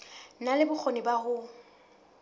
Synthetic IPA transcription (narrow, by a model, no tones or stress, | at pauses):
nalɪbʊk͡xʰonɪbaɣʊ